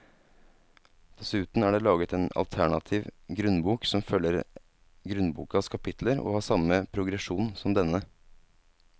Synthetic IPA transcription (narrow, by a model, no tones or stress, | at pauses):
d̪̥ɛsʉːt̪n̩æːɖeːlɑːɡət̪eːnɑ̰lt̪ʰæɳɑt̪ʰiːʋɡɾʉnbuːksɔmfœlːəɾ | ɡɾʉnbṵːkɑskʰɑpʰɪt̪ʰləɾo̰ːhɑːsɑməpʰɾʊɡɾɛʂuːnsɔmd̪ɛnːə